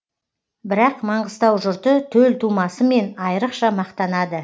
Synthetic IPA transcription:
bɪɾɑqmɑɴʁəst̪ɑwʒʊɾt̪ət̪ʰɵlt̪ʰumɑsəme̞nɑjɾəqʃɑmɑqt̪ɑnɑd̪ə

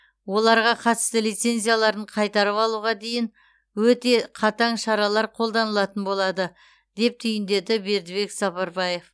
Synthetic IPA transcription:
wo̞lˠɑɾʁɑqʰɑt̪ə̥st̪əlijt̪se̞nzʲijalˠɑɾəɴqʰɑjt̪ɑɾəpɑlˠuʁɑd̪e̞jɪŋ | wɵt̪e̞qʰɑt̪ɑɴʃɑɾɑlˠɑɾqʰo̞lˠd̪ɑnəlˠɑt̪ənbo̞lˠɑd̪ə | d̪e̞p̚t̪ʰʏjɪnd̪e̞d̪ɪbe̞ɾd̪ɪβe̞ksɑpɑɾbɑje̞f

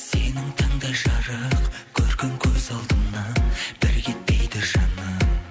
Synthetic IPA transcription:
se̞nɪŋt̪ʰɑɴd̪ɑjʒɑɾəq | kʲʰɵɾɡʲeŋkʲʰɵzɑlˠd̪əmnɑb̥ɪɾkʲet̪̚pejd̪ɪʒɑnɑ

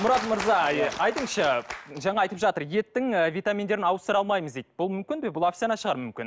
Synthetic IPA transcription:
mʊɾɑt̪məɾzɑɑjt̪əɴʃɑʒɑɴɑɑjt̪əpʒɑt̪əɾje̞t̪ːɪŋvijt̪amʲind̪e̞ɾɪnɑwəst̪əɾɑlˠmɑjməzd̪ejt̪̚bʊlˠmʏmkʲɪnbebʊlˠofʲt̪sʲianɑʃəʁɑɾmʏmkʲɪ̰n

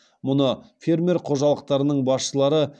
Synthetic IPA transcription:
mʊnəfʲe̞rmʲe̞rqʰo̞ʒɑlˠəq̚t̪ɑɾənəɴbɑsʃəlˠɑɾə

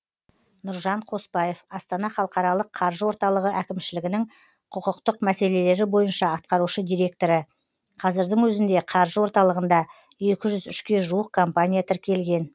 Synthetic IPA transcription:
nʊɾʒɑɴqʰo̞spɑje̞fɑst̪ɑnɑχɑlˠəqɑɾɑlˠəqʰːɑɾʒəwo̞ɾt̪ɑlˠəʁəʔækʲɪmʃɪlɪɡʲɪnɪŋ | qʰʊqəqt̪əqmæse̞le̞le̞ɾɪbo̞jənʃɑɑt̪̚qɑɾuʃəd̪ijɾe̞k̚t̪o̞ɾə | qʰɑzɪɾd̪ɪŋwɵzɪnd̪e̞qʰɑɾʒəwo̞ɾt̪ɑlˠəʁənd̪ɑ | e̞kʲɪʒʏzʏʃkʲe̞ʒuəq̚kʰompanʲijat̪ʰɪɾkʲe̞lɡʲe̞n

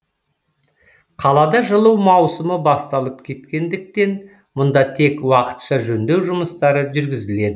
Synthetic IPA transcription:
qʰɑlˠɑd̪ɑʒəlˠəwmɑwsəməbɑst̪ɑlˠəp̚kʲʰe̞t̪kʲe̞nd̪ɪk̚t̪e̞n | mʊnd̪ɑt̪ʰe̞kwɑqə̥t̪ʃɑʒɵnd̪e̞wʒʊməst̪ɑɾəʒʏɾɡʲɪzɪle̞d̪ɪ

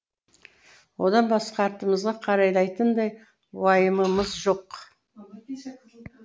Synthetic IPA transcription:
wo̞d̪ɑnbɑsqɑːɾt̪əməzʁɑqʰɑɾɑjlˠɑjt̪ənd̪ɑj | wɑjəməməzʒo̞q

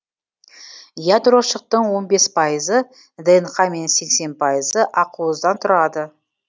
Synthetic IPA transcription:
jad̪ɾo̞ʃəq̚t̪əɴwo̞nbe̞spʰɑjəzə | d̪enχɑme̞nse̞kse̞npʰɑjəzəʔɑquəzd̪ɑnt̪ʰʊɾɑd̪ə

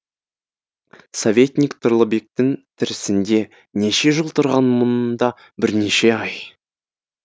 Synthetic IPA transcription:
sovʲe̞t̪nʲikt̪ʰʊɾlˠəbek̚t̪ɪŋt̪ʰɪɾɪsɪnd̪e̞ | ne̞ʃe̞ʒəlˠt̪ʰʊɾʁɑnmʊnnd̪ɑ | bɪɾne̞ʃe̞ɑj

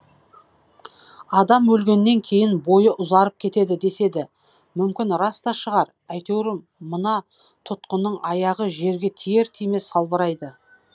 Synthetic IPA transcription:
ɑd̪ɑmwɵlɡʲe̞nːe̞ŋkʲʰe̞jɪnbo̞jəʔʊzɑɾəp̚kʲʰe̞t̪e̞d̪ɪd̪e̞se̞d̪ɪ | mʏmkʲɪnɾɑst̪ɑʃəʁɑɾ | æjt̪ewɾɪmː | ənɑ | t̪ʰʊt̪qənəɴɑjɑʁəʒe̞ɾɡʲe̞t̪ʰije̞ɾt̪ʰijme̞sɑlˠbəɾɑjd̪ə

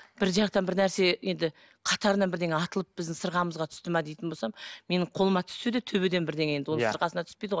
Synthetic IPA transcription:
b̥ɪɾʒɑqt̪ɑnbɪɾnæɾse̞je̞nd̪ɪ | qʰɑt̪ɑɾənɑnbɪɾd̪e̞ŋeɑt̪əlˠəp̚b̥ɪzd̪ɪŋsəɾʁɑməzʁɑt̪ʰʏ̥st̪ɪmɑd̪ejt̪ɪnbo̞lsɑmme̞nɪɴqʰo̞lˠəmɑt̪ʰʏ̥sed̪et̪ʰɵbed̪e̞nbɪɾd̪eŋee̞d̪ɪwo̞nə̃səɾqɑsənɑt̪ʰʏspejd̪əʁoj

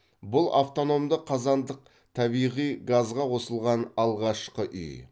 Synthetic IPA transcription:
bʊlˠaft̪o̞no̞md̪əqʰːɑzɑnd̪əq̚ | t̪ʰɑbijʁijɡazʁɑwo̞səlˠʁɑnɑlˠʁɑʃqəʔʏ̰j

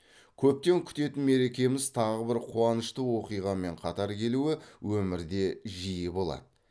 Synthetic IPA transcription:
kʲʰɵp̚t̪e̞ŋkʲʰʏ̥t̪e̞t̪ɪnme̞ɾe̞kʲe̞mɪzt̪ʰɑʁəbɪɾqʰuɑnəʃt̪əwo̞qijʁɑme̞ɴqʰɑt̪ɑɾkʲʰe̞luɪwɵmɪɾd̪e̞ʒijɪbo̞lˠɑ̰d̪̥ə

